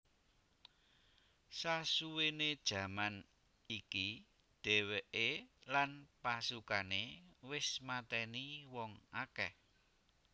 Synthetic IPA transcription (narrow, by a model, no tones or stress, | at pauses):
sasuwened̥ʒ̥ä̤man | iki | d̥ɛ̤weʔelanpasukanewɪsmat̪ɛniwɔŋakɛh